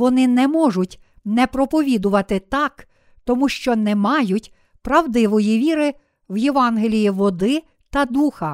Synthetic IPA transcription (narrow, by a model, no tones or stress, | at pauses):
ʋɔnɪnɛmɔʒʊtʲ | nɛpɾɔpɔʋʲid̪ʊʋɐt̪ɪt̪ɑk | t̪ɔmuʃt͡ʃɔnɛmɑjʊtʲ | pɾɐwd̪ɪʋɔjiʋʲiɾɪ | wjeʋɑnɦelʲijiʋɔd̪ɪ | t̪ɐd̪uxɐ